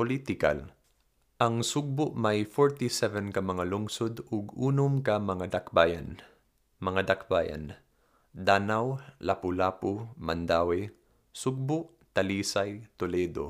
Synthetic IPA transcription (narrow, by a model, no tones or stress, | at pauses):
polit̪ɪka̰l | ʔɐŋsʊɡ̚bʊʔmajfoɹt̪isɛvɛnkɐmɐŋalʊŋsod̪ʊɡuːnʊmkɐmɐŋad̪akbaja̰n | mɐŋad̪akbaːja̰n | d̪aːnawlapʊlaːpʊmand̪aːwɛ | sʊɡ̚bʊʔ | t̪ɐliːsajt̪ʊlɛd̪o̰